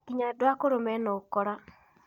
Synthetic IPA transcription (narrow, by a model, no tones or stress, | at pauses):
kiɲadwakoɾomɛnɔkɔɾa